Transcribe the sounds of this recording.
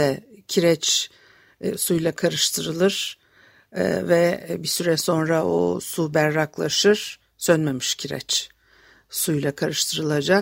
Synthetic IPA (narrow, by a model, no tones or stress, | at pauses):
ɛcʰiɾɛt͡ʃː | sujlˠakʰaɾɯʃt̪ʰɯɾɯlˠɯɾ̥̰ | vɛbisyɾɛso̞nɾao̰subæɾːaklˠa̰ʃɯɾ̥ | sønmemiʃcʰiɾɛ̰t͡ʃ | sujlˠakʰaɾɯʃt̪ʰɯɾɯlˠad͡ʒak